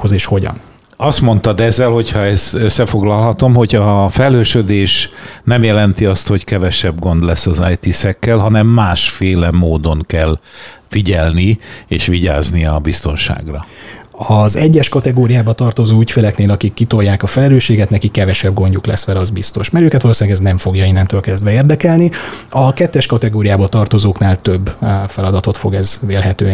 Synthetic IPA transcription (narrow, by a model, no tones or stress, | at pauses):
ozeːʃho̞ɟɒ̰n | ɒst̪mo̞nt̪ɒd̪ɛzːɛlho̞chɒɛst̪øsːɛfo̞ɡlɒlɦɒt̪o̞mho̞ɟɒfɛløːʃød̪eːʃnɛmjɛlɛnt̪iɒst̪ho̞ckɛvɛʃɛbɡo̞nd̪lɛsːɒzajt̪isɛkːɛlɦɒnɛmːaːʃfeːlɛmoːd̪o̞ŋkɛlfiɟɛlnieːʃʋiɟa̰ːzniɒbist̪o̞nʃa̰ːɡrɒɒzɛɟːɛʃkɒt̪ɛɡoːɾijaːbɒt̪ɒrt̪o̞zoːycfeːlɛkneːlɒkikːit̪ojaːkɒfɛlɛløːʃeːɡɛt̪nɛkikːɛvɛʃɛbɡo̞ɲɟuklɛ̰sʋɛlɛɒzbist̪o̞ʃmɛɾøːkɛt̪ɒloːsinːlɛɡɛznɛɱfo̞ɡjɒinɛmt̪øːlkɛzd̪ʋɛeːrd̪ɛkɛlniɒkɛt̪ːɛʃkɒt̪ɛɡoːɾijaːbɒt̪ɒrt̪o̞zoːknaːlt̪øbːfɛlɒd̪ɒt̪o̞t̪fo̞ɡɛzveːlɦɛt̪øː